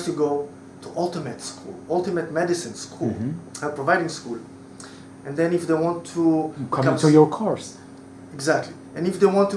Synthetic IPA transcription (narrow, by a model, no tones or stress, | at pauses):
stuɡoʊ | tʰuʔʌlˠtəmɨtskʰṵlˠʌlˠtɨmɨtmɛdɨsɨ̃nskʰulɛpʰɹɔvaɪɾɪ̃ŋskul | ɛ̃nd̪ɛ̃nɪfd̪eɪwɑ̃ntʰːukʰʌ̃mtujɔ˞kʰɔɹs | ɪɡzæk̚tʰli | ɛ̃nɪfd̪ewɑ̃ntː